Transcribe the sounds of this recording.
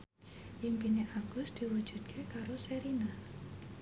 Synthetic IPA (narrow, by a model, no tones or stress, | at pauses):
ʔimpineʔaɡ̥ʊsd̪̥i̤wud̥d͡ʒ̥ṳd̪̚kʰekaɾoseɾina